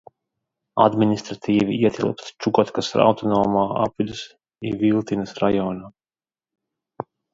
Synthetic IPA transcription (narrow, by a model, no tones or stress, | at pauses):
a̰d̪minist̪ɾat̪ʰiːviiɛt̪ʰʲilˠpst͡ʃukɔt̪kasɾa̰wt̪ɔnɔːmaːa̰pulʲus | ivilˠt̪inɨsɾajɔːnaː